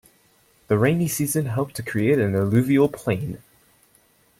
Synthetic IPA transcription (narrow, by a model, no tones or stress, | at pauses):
ðəɹẽɪ̃nisiːzə̃nɦəʊp̚tʰəkʰɹ̥ieɪɾə̃nəlʉːviəlˠpʰl̥ẽɪ̃n